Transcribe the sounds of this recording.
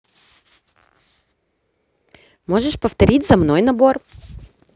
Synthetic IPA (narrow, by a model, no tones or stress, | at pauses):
mo̞ʐɨʂpəft̪ɐɾʲitʲzɐmnojnɐbo̞r